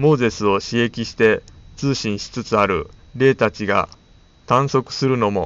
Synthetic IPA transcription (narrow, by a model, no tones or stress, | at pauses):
mo̞ːze̞sɨo̞ɕie̞kʲiɕi̥t̪e̞t͡sɨːɕĩɰ̃ɕi̥t͡sɨt͡sɨaɾɯ̟̰ɾe̞ːt̪at͡ɕiɡa̰ | t̪ãɰ̃so̞kɯ̟̥sɨɾɯ̟no̞mo̞̰